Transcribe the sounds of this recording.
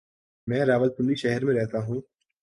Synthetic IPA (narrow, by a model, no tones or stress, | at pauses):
mɛ̃ːɾaːʋəl̚sʊnɾiʃɛɦɛɾmẽɾɛɦt̪aɦũː